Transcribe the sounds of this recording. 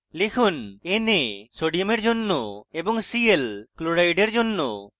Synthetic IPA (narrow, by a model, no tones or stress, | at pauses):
lekʰunenesoɖijomeɾd͡ʑonːoebɔŋsielkloɾajɖeɾd͡ʑonːo̰